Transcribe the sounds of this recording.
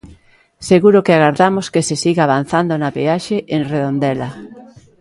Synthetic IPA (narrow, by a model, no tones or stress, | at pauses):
seɣuɾokeaɣaɾðamoskesesiɣaaβ̞an̟θand̪onapeaʃeʔẽnreðõnd̪ela